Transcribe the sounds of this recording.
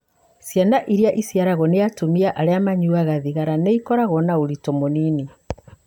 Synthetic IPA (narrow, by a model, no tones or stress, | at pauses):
sjanaʔiɾiaʔisjaɾaɣɔneatumiaʔaɾeamaɲuaɣaðiɣaɾaneikɔɾaɣɔnaoɾitɔmonini